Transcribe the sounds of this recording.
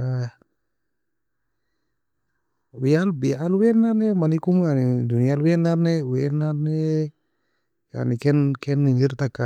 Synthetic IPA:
a | wialbialwɛnanɛmanikumjanidunialwɛnaɾnɛwenanɛ | ja̰nikɛnkɛnːiŋiɾt̪aka

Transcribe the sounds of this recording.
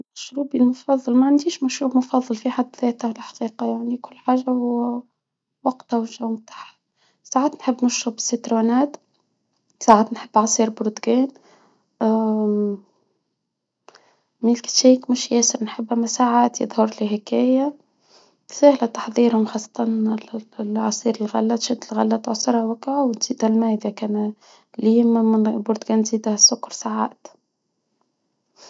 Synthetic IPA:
mæʃɾuːbilmʊfɑðˤːɑlmaʕand̪iːʃmæʃɾuːbmʊfɑðˤːɑlfiħad̪ːðɛːt̪ahlħɑ̥qiːqɑjaʕnikʊlːħaːʒahʊw | wɑqt̪awɪʒawmt̪aːħa | saːʕaːt̪nħɪbːmʊʃɾʊbɪsːit̪ɾoːnaːt̪ | saːʕaːt̪nħəbːʕɑsˤiːɾbʊɾd̪ɡɛːn | milkt̪ʃiːkmʊʃjæːsɪɾnħɪbːæmæsaʕaːt̪jɪ̰ðˤhʊɾˤliɦɪkæːja | sahlæt̪ɑ̥ħðˤiːɾhʊmxɑsˤːɑ̥t̪ˤɑn | ʕɑsˤiːɾɪlɣælːæt̪ʃɪd̪ɪlɣæ̰lːæt̪ʕʊsˤɑɾˤhawækːʕawt̪z̥iːd̪hælmæːd̪akæːn | liːmɪbʊɾd̪ɡæːnziːd̪hæsːʊkːɾsaʕa̰ːt̪

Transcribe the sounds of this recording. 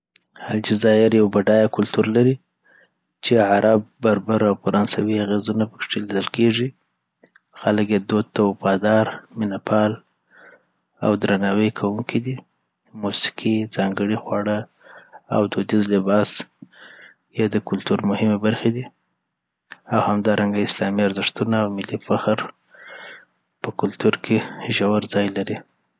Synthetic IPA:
halt͡ʃizɑhɪɾjawbaɖɑjakʊlt̪uɾlaɾi | t͡ʃeʕaɾʔab̚ːaɾbaɾawfaɾɑnsawiaɣezunapə̥kʂelid̪əlkeʐi | xaləkjed̪od̪̚t̪awafɑd̪ɑɾmɪnapʰɑl | a̰wd̪ɾanɑwəjkʰawuŋkʰid̪i | musɪ̥kʰid͡zɑŋɡəɽixwɑɽə | a̰wd̪od̪izlɪbɑs | jɑd̪əkʊlt̪uɾmʊhɪmebaɾxed̪i | awhamd̪ɑɾʔaŋɡaɪslɑmiaɾzɪʂt̪unaːwmɪlifaxaɾ | pəkʊlt̪uɾkʰeʒawaɾzɑjlaɾi

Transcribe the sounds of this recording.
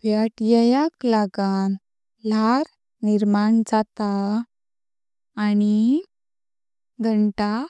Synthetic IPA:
pjaʈjɛjaklaɡan | laɾ | niɾmaɳd͡zat̪a | ni | ɡʱəɳʈa

